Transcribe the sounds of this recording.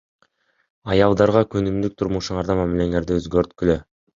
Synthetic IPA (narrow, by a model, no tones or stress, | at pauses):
ɑjɑlˠd̪ɑɾʁɑkønymd̪yk̚t̪ʰuɾmuʃuɴɑɾd̪ɑmæmile̞ŋe̞ɾd̪iøzɡøɾt̪kylø